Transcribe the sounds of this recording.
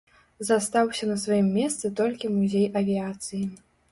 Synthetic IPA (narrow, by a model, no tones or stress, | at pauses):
zɐst̪awsʲɐnɐsvajimːʲɛst̪sɨt̪ɔlʲkʲimuzʲejɐvʲiat̪sɨji